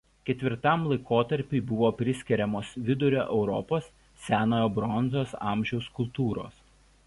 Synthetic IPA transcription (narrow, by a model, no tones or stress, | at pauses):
kʲɛt̪ʲʋʲɪɾt̪ɐmlˠɐɪkoːt̪ɐɾʲpʲɪɪbʊʋoːpʲɾʲɪsʲkʲɛɾʲɛmoːsʋʲɪd̪ʊɾʲoːʔɛʊɾɔ̰poːs | sʲæːnoːjoːbɾɔnzoːsɑ̰ˑmʲʒʲɛʊskʊlˠˑt̪uːɾo̰ːs